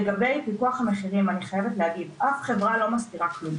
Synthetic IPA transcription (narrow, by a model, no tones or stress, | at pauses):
eɡabe̞jpikuaχhameχiʁimaniχajevetleaɡidʔafχe̞vʁalo̞mastiʁaklum